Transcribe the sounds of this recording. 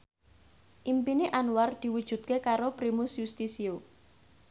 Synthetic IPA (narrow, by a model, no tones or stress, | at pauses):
ʔimpineʔanward̪̥i̤wud̥ʒ̥ṳd̪̚kekaɾopɾimusjust̪isio